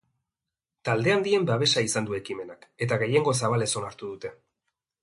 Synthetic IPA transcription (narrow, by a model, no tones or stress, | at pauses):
t̪ald̪e̞and̪ie̞mbaβe̞saisand̪ue̞kime̞nake̞t̪aɣe̞je̞ŋɡo̞s̬aβ̞ale̞so̞naɾt̪uðut̪e̞